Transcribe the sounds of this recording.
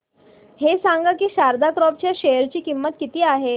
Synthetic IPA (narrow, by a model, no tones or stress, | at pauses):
hesãŋɡakiːɕaɾd̪akɾɔp̚t͡ɕjaɕejəɾt͡ɕiːkimːət̪kit̪iːaɦe